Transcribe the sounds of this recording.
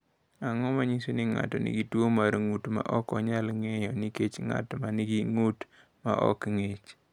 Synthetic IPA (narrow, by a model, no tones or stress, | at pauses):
aŋɔmaɲisinɪŋa̰tɔnɪ̰ɡitwomaɾŋutma̰ʔɔkɔɲalŋejɔniket͡ʃŋa̰tɔmanɪɡiŋut | ma̰ʔɔ̰kŋet͡ʃ